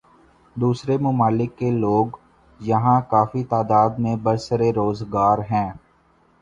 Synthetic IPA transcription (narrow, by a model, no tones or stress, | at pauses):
d̪uːsɾemʊmaːlɪkːeloːɡ | jɐɦãkaːfit̪aːd̪aːd̪mẽbəɾsəɾeɾoːzɡaːɾɦɛ̃ː